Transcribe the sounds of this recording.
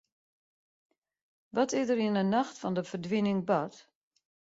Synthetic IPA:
ʋɔtɪzdəɾinənaxtfɔndəfədʋinɪŋbɔt

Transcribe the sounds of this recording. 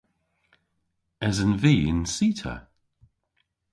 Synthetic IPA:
ɛzənviːɪ̰nsiːtʰə̰

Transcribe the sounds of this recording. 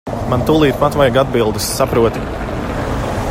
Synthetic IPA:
mant̪ulˠiːt̪pat̪vajɡad̪̚bilˠd̪ɨsːapɾuɔt̪

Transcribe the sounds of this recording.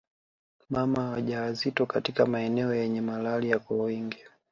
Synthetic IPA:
mamaawaʄawazitɔkatikamaɛnɛɔjɛɲɛmalalijakwawiŋɡi

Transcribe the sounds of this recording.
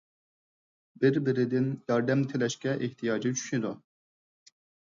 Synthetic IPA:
bɪɾbɪɾɪd̪ɪnjɑɾd̪ɛmt̪ʰɪlɛʃkʲɛʔeht̪ʰijɑːd͡ʒit͡ʃʰy̥ʃid̪u

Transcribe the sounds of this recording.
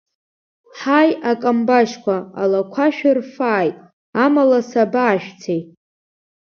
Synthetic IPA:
ħajakʼambaʃkʷaa̰lakʷʰaʃᶣɪrfaːjtʼ | amalasabaːʃᶣt͡sʰejtʼ

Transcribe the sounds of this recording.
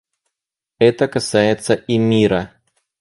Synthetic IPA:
ɛt̪əkɐsajɪt̪səʔimʲiɾə

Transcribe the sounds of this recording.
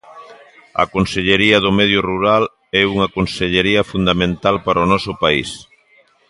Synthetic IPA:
ɐ̰konseʎeɾiɐðʊmɛð̞jʊruɾal | ɛuŋakonseʎeɾiɐfund̪amẽnt̪alpaɾonɔsʊpaḭs

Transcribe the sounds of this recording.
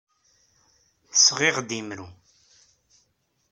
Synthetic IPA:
θəsʁeʁd̪imɾu

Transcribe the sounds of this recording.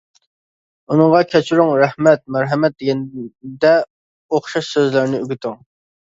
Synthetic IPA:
unɨŋʁɑkʲʰɛt͡ʃʰyɾuŋɾɛhmɛt̪̚mæɾɦɛmɛt̪̚d̪eɡʲɛnd̪ɛ | oχʃɑʃsøzlɪɾnɪyɡʲit̪yŋ

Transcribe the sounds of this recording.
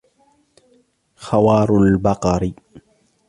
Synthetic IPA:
xawɑːɾˤʊlbɑqɑɾi

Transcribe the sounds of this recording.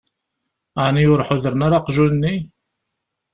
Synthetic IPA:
aʕnijʊɾħʊðəɾənaɾaqʒunːi

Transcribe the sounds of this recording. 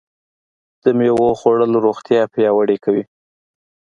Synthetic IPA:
d̪̥əmewoxoɽəloɾoxt̪jɑpjɑwaɽekawi

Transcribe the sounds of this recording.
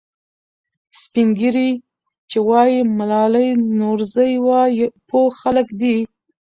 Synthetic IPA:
spiŋɡiɾi | t͡ʃewɑjimalɑləjnoɾzəjwɑjpʰoxaləkd̪i

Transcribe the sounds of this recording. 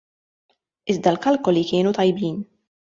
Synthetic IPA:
ɪzd̪ɐlkɐlkɔlikɪːnut̪ɐjbiːn

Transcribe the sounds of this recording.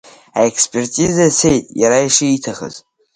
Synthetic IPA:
aekspʼertʼizase̞jtʼjaɾaiʂɨitʰaχə̰z

